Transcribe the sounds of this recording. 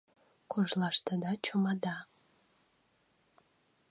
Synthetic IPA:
kʰoʒlˠɑʃt̪əd̪ɑt͡ɕomɑd̪ɑ

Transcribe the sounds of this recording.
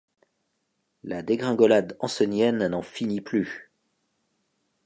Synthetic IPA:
lad̪eɡʁɛ̃ɡɔlad̪ɑ̃sɛnjɛnːɑ̃finiply

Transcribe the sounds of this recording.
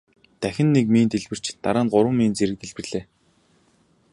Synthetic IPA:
t̪æxʲɪ̆nːekmeːnt̪eɮpɘ̆r̥t͡ɕt̪a̰ɾaːnɢʊɾwə̆mːeːnt͡seɾɘ̆k̚t̪eɮpɘ̆rɮeː

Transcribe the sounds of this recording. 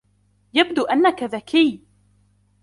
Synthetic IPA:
jabd̪uːʔanːakaðakʰiː

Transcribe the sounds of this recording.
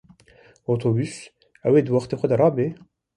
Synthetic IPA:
ot̪ʰobys | æweːd̪əwɑχt̪ʰexʷad̪aɾɑːbe

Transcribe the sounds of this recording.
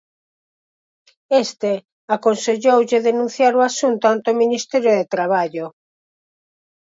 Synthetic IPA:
est̪e | akonseʝowʝɪðenũn̟θjaɾoasunt̪oant̪ominist̪ɛɾjoðet̪ɾaβ̞aʎo

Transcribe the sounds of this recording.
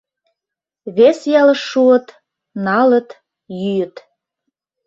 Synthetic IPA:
βesjɑlə̆ʃːuət̪ | nɑlə̆t̪ | jyjə̆t̪

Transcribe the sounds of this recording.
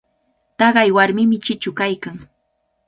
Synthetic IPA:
t̪ɑɢɑjwaɾmɪmɪt͡ʃɪt͡ʃʊkajkaŋ

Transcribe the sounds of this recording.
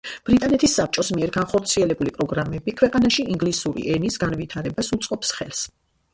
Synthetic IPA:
b̥ɾit̪ʼanɛt̪ʰisːap̚t͡ʃʼɔsmiɛɾɡanχɔɾt̪sʰiɛlɛbulipʼɾɔɡɾamɛbikʰwɛqʼanaʃiiŋɡlisuɾḭʔɛnisɡanvit̪ʰaɾɛbasut̪sʼqʼɔpsχɛlˠs

